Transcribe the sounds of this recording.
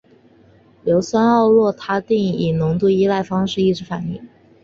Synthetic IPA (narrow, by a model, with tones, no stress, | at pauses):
ljo˧˥ʊswa˥nɑ˥˧ʊlwɔ˥˩t̪ʰa˥t̪i˥˩ŋi˨˩nʊ˧˥ŋt̪u˥˧i˥la˥˩ɪfɑ˥ŋʂɻ̩˥˧i˥˩ʈ͡ʂɻ̩˧˥fa˨˩nḭ˥˩ŋ